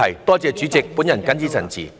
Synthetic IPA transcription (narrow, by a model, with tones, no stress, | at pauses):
ɐ˨˩jt̪ɔː˥t͡sɛː˧t͡ʃyː˨˦˥t͡sɪ˨k̚pu˨˥njɐ˨˩nkɐ˥nt͡siː˥sʰɐ̰˨˩nt͡sḭː˨˩